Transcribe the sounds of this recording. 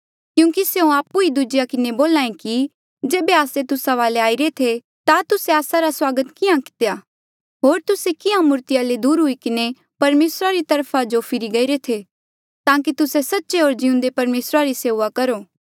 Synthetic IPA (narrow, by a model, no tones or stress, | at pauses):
kjũːkiseũaːpːuid̪ʊd͡ʒɪjakɪneboːlaːẽki | d͡ʒeːbeaːset̪ʊsaʋaːleaːiɾet̪ʰe | t̪at̪ʊseaːsaɾaswaːɡət̪kɪãkɪ̥t̪eja | ɦoːɾt̪ʊsekɪãmʊɾt̪ɪjaled̪uːɾɦʊikɪne | pɐɾmeːsɾaɾit̪ɐɾpʰad͡ʒopʰɪɾiɡɐiɾet̪ʰe | t̪ãːk̬it̪ʊsesɐtːʃeɦoːɾd͡ʒɪʊ̃nd̪epɐɾmeːsɾaɾiseːʋakɐɾoː